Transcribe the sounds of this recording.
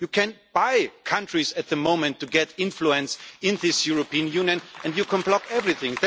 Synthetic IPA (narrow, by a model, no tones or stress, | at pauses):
jukʰɛ̃nb̥aɪkʰʌ̃ntɹ̥izɨt̪̚ðəmõʊ̃mɨ̃ntʰːuɡɛtɪ̃nfluɨ̃nsɪ̃nðɪsjuɹopĩnjũnjɨ̃nɛ̃ndjukʰə̃nblɔkɛvɹiθɪ̃ŋð